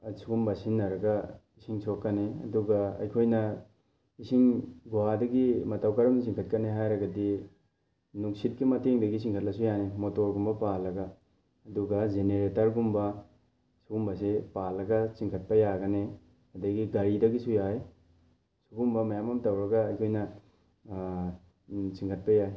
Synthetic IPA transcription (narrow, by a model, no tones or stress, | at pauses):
ɐsuɡumbɐsinːɐɾɐɡɐisiŋsʰokːɐneɐ̰duɡɐɐ̰jkʰojnɐ | isiŋɡuwadɐɡimɐtawkɐɾɐms̬iŋkʰɐt̚kɐneɦajɾɐɡɐdi | nuŋsit̚kimɐteŋdɐɡisiŋkʰɐt̚lɐsujanemotoɾɡumbɐpalːɐɡɐː | duɡɐzeneɾetɐɾɡumbɐ | suɡumbɐsepalːɐɡɐsiŋkʰɐt̚pɐjaɡɐne | ɐdɐɡiɡɐɾidɐɡisujaj | suɡumbɐmɐjamɐmtɐwɾɐɡɐːjkʰojnɐ | siŋkʰɐt̚pɐjaj